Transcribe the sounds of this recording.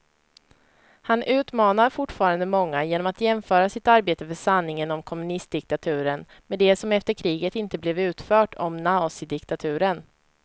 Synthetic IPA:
hanʔʉ̟ːt̪mɑːnaɾfʊʈːfɑːɾand̪əmɔŋːajeːnɔmat̪jɛmfœːɾasɪt̪aɾbeːt̪əfœʂanːɪŋənɔmkʰɔmɵnɪst̪̚d̪ɪk̚t̪at̪ʰʉ̟ːɾən | mɛːd̪ɛsɔmɛft̪əɾkʰɾiːɡət̪ɪnt̪əblɛvʉ̟ːt̪fœːʈʰɔmnasɪd̪ɪkt̪at̪ʰʉ̟ːɾən

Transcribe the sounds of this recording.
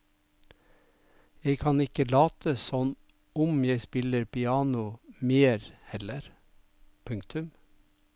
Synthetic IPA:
jeɪkʰɑnɪkəlɑːt̪ʰəsɔn | ʊmjeɪspɪləɾpɪɑːnʊmeːɾhɛləɾ | pʰʉŋkt̪ʰʉm

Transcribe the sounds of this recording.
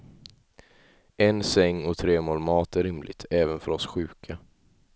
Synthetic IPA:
ɛnsɛŋːɔt̪ʰɾeːmoːlmɑːt̪æɾːɪmlʔɪ̰ɡt̪ʰɛːvənfœɾɔsɧʉ̟ːkʰa

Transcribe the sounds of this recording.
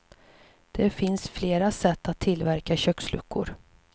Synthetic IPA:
d̪̥ɛfɪnsfleːɾasɛt̪ːat̪ʰːɪlvæɾkaɕœkslɵ̰kʰːʊ̰ɾ

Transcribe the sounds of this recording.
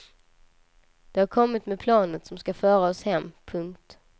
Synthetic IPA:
d̪̥ɛhaɾkʰɔmːɪt̪mepʰlɑːnət̪sɔmskafœːɾaɔshɛmːpʰɵŋkt̪

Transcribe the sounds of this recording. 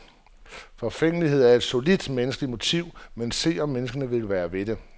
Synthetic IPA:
fɒ̽feŋ̰əliɦe̝ð̞̰ˠæɐe̝d̥so̝lid̥menəsɡ̥əlimo̝t͡sʰiʊ̰mense̝̰ːɒ̽mːenəsɡ̥ɐnəʋe̝lʋæːɐʋe̝d̥e̝

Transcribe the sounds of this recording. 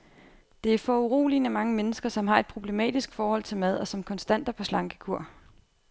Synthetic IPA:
d̥e̝æɐfɒ̽uʁo̰ːlinəmɑ̈ŋəmenəsɡ̥ɐsɒ̽mɦɑ̈e̝d̥̚pʰʁo̝ble̝mɛ̰ːd̥isɡ̥fɒːhɒ̽l̰t͡sʰe̝lmæð̞ˠɒ̽sɒ̽mkʰɒ̽nsd̥æn̰d̥ɐpʰɒ̽slɑ̈ŋɡ̥ə̥kʰuɐ̰

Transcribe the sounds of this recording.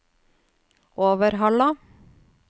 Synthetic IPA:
ʔoːʋəɾɦɑlɑ

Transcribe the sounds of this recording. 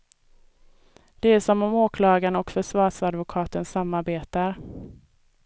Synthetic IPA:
d̪̥ɛæʂɔmɔmoːkʰlɑːɡanɔkfœʂvɑːʂad̪vʊkʰɑːt̪ənsamːaɾbeːt̪aɾ

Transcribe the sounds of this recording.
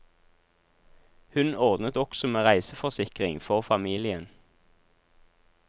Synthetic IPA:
hʉnɔʁd̪nət̪ɔksɔmeːʁæɪsəfɔʁsɪkʁɪŋfɔʁfɑmiːlɪən

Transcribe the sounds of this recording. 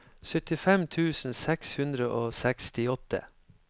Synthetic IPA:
sœt̪ɪfɛmt̪ʰʉːsn̩sɛkshʉnd̪ɾəʔoːsɛkst̪ɪɔt̪ə̰

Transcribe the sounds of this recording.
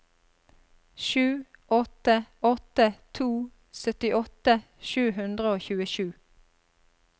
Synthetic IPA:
ʃʉːʔɔt̪əɔt̪ət̪ʰuː | sœt̪ɪʔɔt̪ə | ʃʉːhʉnd̪ʁəoːçʉːəʃʉː

